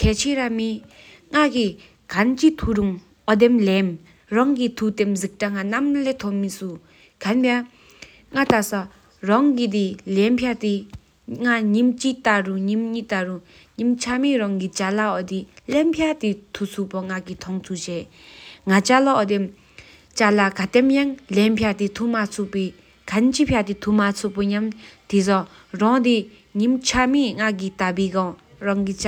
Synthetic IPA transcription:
kʰɛːt͡ɕʰiɾami | ŋaki | kʰant͡ɕit̪ʰuɾuŋ | ʔɔd̪emlɛm | rɑŋkit̪ʰut̪emzik̚ʈ͡ʂaŋanamlet̪ʰɔmisu | kanpa | ŋat̪asa | rɑŋkid̪̬ilempʰjat̪i | ŋaɲimt͡ɕit̪aruɲimɲit̪aɾu | ɲimt͡ɕʰamiɾɑŋkit͡ɕalaɔd̪ilempʰjat̪it̪ʰut͡sʰuʔpoŋakit̪ʰɔŋt͡s̪ʰuʔɕɛ | ŋat͡ɕalɔʔɔd̪em | t͡ɕalakat̪emjaŋlempʰat̪it̪ʰuʔmat͡sʰuʔpi | kʰant͡ɕipʰjat̪it̪ʰumat͡sʰuʔpoɲamt̪izɑ | rɑŋd̪i | ɲimt͡ɕʰamiŋak̬it̪apiɡɑŋ | ɹɑŋki

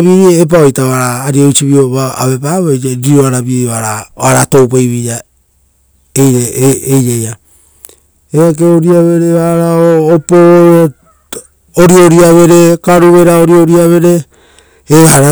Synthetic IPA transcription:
βiep̬aojtaaɾaːɾioit͡ʃiβioβaa̰βepaβojeɾioaɾaβioaɾaaɾato̞wpejβija | ejeejɾeja | eak̬eoɾiaβe̞ɾeβaɾaoːpo | oɾioɾiaβe̞ɾe̞kaɾuβe̞ɾaoɾioɾiaβe̞ɾe̞ː | aɾa

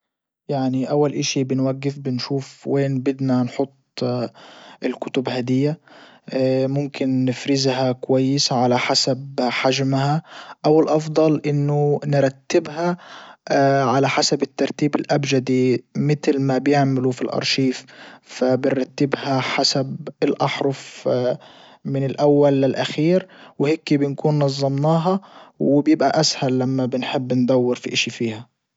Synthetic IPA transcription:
jaʕniʔawːalʔaʃibɪnwaɡːɪfbɪnʃuːfweːnbɪd̪nanħʊt̪ˤː | ɪlkʊt̪ʊbhad̪ɪjːa | mʊmkɪnːɪfɾɪzɦakʊwajːɪsʕalaħasabħaʒmhaʔawɪlʔɑfd̪ˤɑlʔɪnːʊnɪɾˤɑt̪ːɪbɦa | ʕalaħasabɪt̪ːɑɾˤt̪iːbɪlʔabd͡ʒad̪imɪt̪lmabjɪʕmɪlufilʔɑ̰ɾˤʃiːffabɪnɾˤɑt̪ːɪbhaħasabɪlʔɑħɾˤʊf | mɪnɪlʔawːalːɪlʔaxiːɾwɪheːkibɪnkuːnːɑzˤːɑmnɑːɦɑwɪbjɪbʔaʔashalːamːabɪnħɪbːɪnd̪awːɪɾfiʔɪʃifiːha

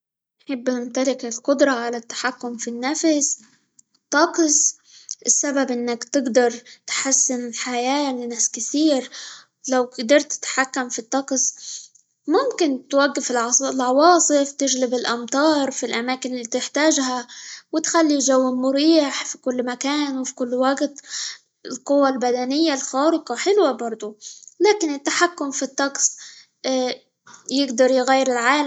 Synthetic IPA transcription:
nħɪbːʔɪmt̪alɪkɪlqʊd̪ɾˤɑʕalat̪ːḁħakːʊmfinːafs | t̪ːɑqsˤ | ʔɪsːababʔɪnːakt̪ɪɡd̪ɑɾˤt̪ħasːɪnɪlħajaːlɪnaːskɪθiːɾ | lawd̪ɑɾˤt̪ːɪ̥t̪ħakːamfit̪ˤːɑqsˤ | mʊmkɪnt̪waɡːɪfɪllʕɑwɑːsˤɨft̪ɪʒlɪbɪlʔɑmt̪ˤɑːɾˤfilʔamaːkɪnɪlːiːt̪ɪħt̪aːʒɦawɪt̪xalːiʒawːɪmʊɾiːħfi̥kʊlːmakaːnwfi̥kʊlːwaɡt̪ | ɪlqʊwːalbad̪anɪjːalxaːɾɪqɑħɪlwabɑɾˤd̪ˤʊlaːkɪnɪt̪ːaħakːʊmfit̪ˤːɑqsˤ | jɪɡd̪ɑɾˤjɣajːɪɾɪlʕaːl

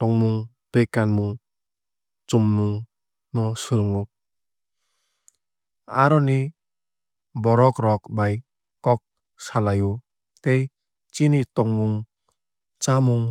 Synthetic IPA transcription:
tɔŋmuŋ | pekːanmuŋ | t͡ʃumːuŋ | nɔsuɾŋu | a̰ɾɔni | bɔɾɔkɾɔk̚baj | kɔk̚ | salaju | t̪ej | t͡ʃinitɔŋmuŋ | t͡ʃamuŋ

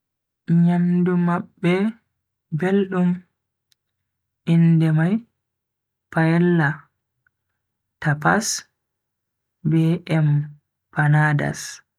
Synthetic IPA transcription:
ɲamdumaɓːɛ | belɗum | ʔindɛmaj | pajɛlːa | tapa̰s | bɛʔɛm | panaːda̰s

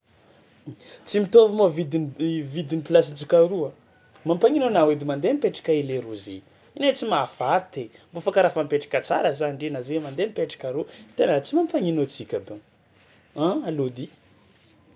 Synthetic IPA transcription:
t͡simit̪ovamovid̪ivid̪iniplas̬id͡ʒikaɾua | mampaŋinonawed̪imand̪emipeʈ͡ʂḁkʲaeleɾuzḛ | inet͡simafat̪embofakaɾafampeʈ͡ʂḁkʲat͡sa̰ɾəzanɖ͡ʐinazemand̪emipeʈ͡ʂḁkʲaɾut̪enat͡simampaŋinot͡sikʲabe | aalod̪i

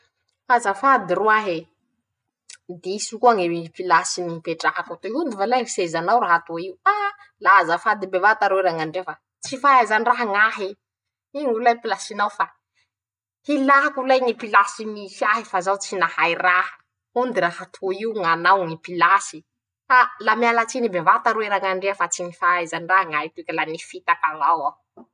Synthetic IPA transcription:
azafad̪iruaɦe | d̪iisikuaŋeipilasiniipeʈ͡ʂaɦakat̪eɦund̪ivalaisezanawɾaɦat̪oiwa | lazafad̪ibevat̪aɾoiɾaŋaɳɖ͡ʐefa | t͡sifaazaniraɦaŋaɦi | iŋilajpilasinawfa | hilaɦakulajŋipilasimisiaɦifazawt͡sinahajrahə̥ | und̪iraɦat̪ʰuiuŋanawŋipilasi | alamialat͡sinibevat̪aɾueɾaŋaɳɖ͡ʐeəfat͡siŋifaazaniraɦaŋaɦit̪uekʲalanifit̪akavawa

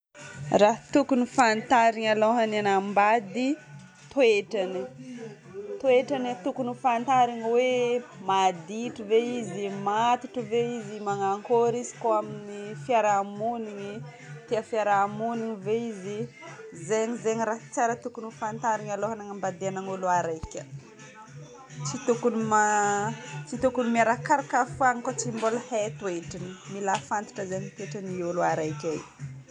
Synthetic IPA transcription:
raɦt̪ukunifant̪aɾiŋaloɦanenambad̪i | t̪oeʈ͡ʂani | t̪oeʈ͡ʂanit̪ukunifant̪aɾiŋwemad̪iʈ͡ʂiveizimat̪i̥ʈ͡ʂəveizimaŋaŋkoɾizi̥koaminifiaɾamuniɲi | t̪eafiaɾamuniŋiveizizeɲizeɲiɾat͡saɾət̪ukunufant̪aɾiŋaloɦanaŋambad̪eanaŋuluaɾajkʲə | t͡sit̪ukunima | t͡sit̪ukunimiaɾakaɾakafaŋikot͡simboləhet̪weʈ͡ʂinimilafant̪i̥ʈ͡ʂəzeɲip̪eʈ͡ʂənioluaɾajkʲaj

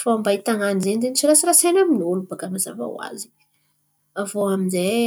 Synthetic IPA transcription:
foambait̪aŋanizenizenit͡ʃiɾasiɾasajnaminolubaɡamaza̰va̰w̰a̰zi̥ | avoaminze

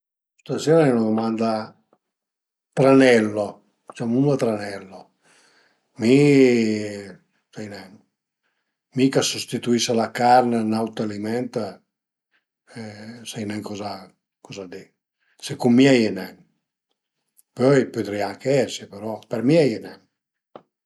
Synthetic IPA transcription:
st̪aseːɾaenad̪omand̪a | t̪ɾanɛlːo | d̪it͡ʃamunat̪ɾanɛlːo | mi | sajnɛŋ | mikasust̪it̪uisalakaɾnenawt̪alimɛnt̪a | sajnɛŋkɔza | kɔzad̪e | sekummjiɛjnɛ | pøjpød̪ɾiaŋkeɛsipeɾɔpɛɾmjiɛjnɛ

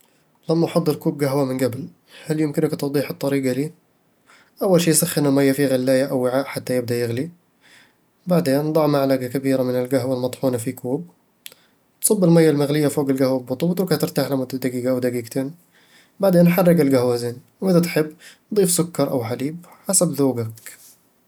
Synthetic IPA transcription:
lamːaʔħɑd̪ˤːɨɾkuːb̚ɡaɦwamɪnɡabl | haljɪmkɪnɪkt̪ʊwd̪ˤiːħɨt̪ˤːɑɾiːɡaliː | ʔawːalʃiːsaxːɪnalmajːafiɣalːaːjaʔawːɪʕaːʔħat̪ːajɪb̚d̪aʔjɪɣli | baʕd̪eːnd̪ˤɑʕmaʕlaɡakabiːɾamɪnɪlɡaɦwalmɑt̪ˤħuːnafikuːb̚ | t̪sˤɑbːɪlmajːalmaɣlɪjːafoːɡɪlɡahwalbʊt̪ˤuwt̪ɾuɡhat̪ɪɾt̪aːħlamʊd̪ad̪aɡiːɡaʔawd̪aɡiːɡt̪ʰeːn | baʕd̪eːnħɑrˤːɪɡɪlɡahwazeːn | wʔɪðat̪ħɪbː | d̪ˤiːfsʊkːɑɾˤʔa̰wħaliːb | ħasabðuːɡak

